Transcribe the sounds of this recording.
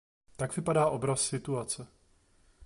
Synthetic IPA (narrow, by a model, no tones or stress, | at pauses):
t̪aɡvɪpadaːʔo̞bɾassɪt̪uat͡sɛ